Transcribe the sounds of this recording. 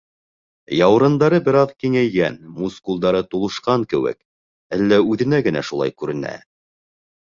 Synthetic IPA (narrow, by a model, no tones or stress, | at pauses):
jɑwɾɤ̆nd̪ɑɾɤbɘ̆ɾɑðkiŋæjɡænmuskulˠd̪ɑɾɤt̪ulˠɤ̆ʃqɑŋkɘ̆wɘ̰k | ælːæʉðɘ̆næɡɘ̆næ̰ʃulˠɑ̰jkʉɾɘ̆næ̰